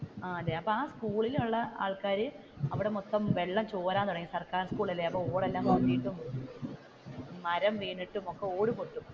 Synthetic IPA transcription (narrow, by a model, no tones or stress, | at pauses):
aːɐlːeɐpːɐːaːskuːɭiluɭːɐʔa̰ːɭkaːɾɨ | ɐʋiɽe̞mot̪ːɐmʋe̞ɭːɐmt͡ɕoːɾaːnt̪uɽɐŋɡilsɐrkaːrskuːɭɐlːeɐpːoːoːɽelːaːmonːijiʈːum | mɐɾɐmʋiːniʈːumo̞kːe̞o̞ːɽɨpoʈːum